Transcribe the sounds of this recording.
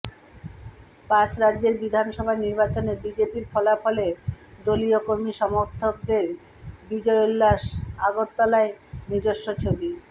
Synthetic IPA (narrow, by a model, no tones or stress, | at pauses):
pat͡ɕɾadːd͡ʑeɾbid̪ʱanʃɔbʱaniɾbat͡ɕoneɾbid͡ʑepiɾfɔlafɔled̪oliokoɾmiʃɔmoɾt̪ʰːok̚d̪eɾ | bid͡ʑɔeolːaʃaɡoɾt̪ɔlaenid͡ʑoʃːot͡ɕʰobi